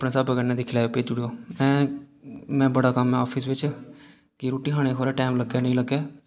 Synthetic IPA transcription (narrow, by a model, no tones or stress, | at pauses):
pnẽːsəbəɡənẽːd̪iːkʰɪlaːpeːd͡ʒʊɽeoːmɛ̃ː | mɛ̃ːbəɽaːkəmɦɛ̃ːɔːpʰiːs̬ʋɪt͡ʃ | kɪɾoːʈiːɦaːɽ̃eːkʰoːɾɛːʈɛːmləɡːɛːnəĩːləɡːɛː